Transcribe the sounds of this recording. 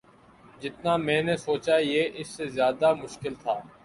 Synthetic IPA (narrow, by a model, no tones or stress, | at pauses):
d͡ʒɪt̪naːmɛ̃ːnesoːt͡ʃajeːʔɪsːezjaːd̪amʊʃkɪlt̪ʰaː